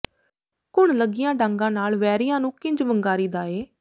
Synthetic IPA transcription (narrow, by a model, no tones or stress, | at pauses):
kʊɳləɡɪjãːɖãːŋɡãːnaːlʋɛːɾɪjãːnũːkɪ̃ɲd͡ʒʋəŋɡaːɾiːd̪aːeː